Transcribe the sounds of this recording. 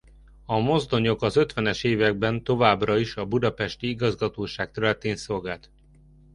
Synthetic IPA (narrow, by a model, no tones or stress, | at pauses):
ɒmo̞zd̪o̞ɲo̞kɒzø̞t̪ʋɛnɛʃeːvɛɡ̚bɛnt̪o̞vaːbrɒiʃɒbud̪ɒpɛʃt̪iiɡɒzɡɒt̪oːʃaːk̚t̪ɛɾlɛt̪eːnso̞lɡaːlt̪